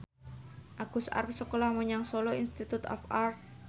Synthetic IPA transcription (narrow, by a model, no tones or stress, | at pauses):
ʔaɡ̥ṳsa̰rpsəkolahmoɲaŋsoloinst̪it̪ut̪ɔ̰far